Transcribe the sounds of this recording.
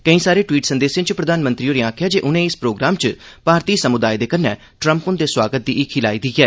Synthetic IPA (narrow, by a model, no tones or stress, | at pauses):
kəĩːsaːɾeːʈwiːʈsənd̪eːsẽːt͡ʃpɾəd̪aːnmə̃nt̪ɾiːoːɾeãːkʰjaːd͡ʒeːʔʊnẽːɪspɾoːɡɾaːmt͡ʃpaːɾt̪iːsəmʊd̪aːjd̪eːkənɛ̰ː | ʈɾə̃mpʊnd̪eːswaːɡət̪̚d̪iːʔɪkʰɪla̰ːiːd̪iːɡɛː